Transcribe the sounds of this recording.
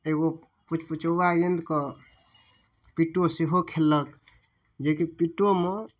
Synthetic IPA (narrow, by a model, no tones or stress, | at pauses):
eɡo | put͡ʃʰput͡ʃəbaɡend̪kə | piʈːoseɦokʰelːək | d͡ʒekipiʈːome